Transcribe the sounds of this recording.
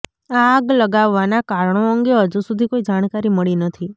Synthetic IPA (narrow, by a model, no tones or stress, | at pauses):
aːɡləɡaʋːanakaɾɳ̃oəŋɡeɦəd͡ʒusud̪ʱikoid͡ʒaɽ̃kaɾiməɭinət̪ʰi